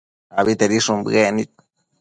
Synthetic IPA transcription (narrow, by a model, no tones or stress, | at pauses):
aβit̪eɾiʂumbɣenit̪̚